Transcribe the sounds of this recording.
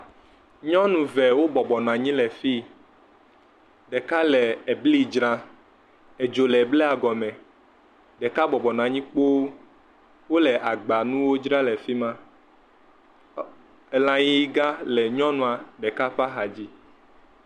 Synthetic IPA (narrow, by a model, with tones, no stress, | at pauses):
ɲɔ̃˦nũ˨vɛ˨wo˦bɔ˨bɔ˨nɔ̃˨a˨ɲĩ˦lɛ˨fi˦ | ɖɛ˨ka˦lɛ˨e˨bli˦d͡ʒɾa˦ | e˨d͡ʒo˨lɛ˨blɛ˦a˨ɡɔ˨mɛ̃˨ | ɖɛ˨ka˦bɔ˨bɔ˨nɔ̃˨a˨ɲĩ˦k͡po˦wo˦ | wo˦lɛ˨ʔa˨ɡ͡ba˨nũ˦wo˦d͡ʒɾa˦lɛ˨fi˦mã˦ | ɛ˨lã˨ji˦ɡa˦lɛ˨ɲɔ̃˦nũ˨a˨ɖɛ˨ka˦ɸa˦ɦa˨d͡ʑi˦